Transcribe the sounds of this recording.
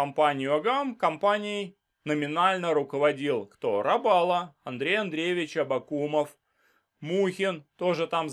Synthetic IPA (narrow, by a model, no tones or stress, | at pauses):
ɐmpanʲɪjʊɐɡamkɐmpanʲɪɪj | nəmʲɪnalʲnəɾʊkəvɐdʲilˠkt̪o̞ɾɐbalˠəɐnd̪ɾʲejɐnd̪ɾʲevʲɪt͡ɕɐbɐkuməf | muxʲɪnt̪o̞ʐɨt̪am